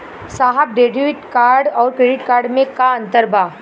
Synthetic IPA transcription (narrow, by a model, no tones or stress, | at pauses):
saːɦəb̚ɖeːɖiʋɪʈkaːɾɖɔːɾkɾeːɖɪʈkaːɾɖmẽkaɐ̃nt̪əɾbaː